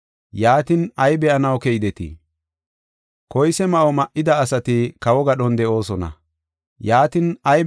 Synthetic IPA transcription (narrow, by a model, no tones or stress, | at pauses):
jaːt̪ɪnɐjbɛʔɐnɐwkɛjɪd̪ɛt̪ḭ | kɔjsɛmɐʔɔmɐʔːɪd̪ɐːsɐt̪ɪkɐwɔɡɐɗɔnd̪ɛʔo̞ːsɔnɐ̰ | jaːt̪ɪnɐj